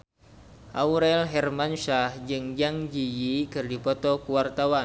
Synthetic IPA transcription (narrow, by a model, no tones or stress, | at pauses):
ʔauɾɛlɦɛrmanʃahd͡ʒɨŋd͡ʒaŋd͡ʒijikɨrdipɔt̪ɔkuwart̪awan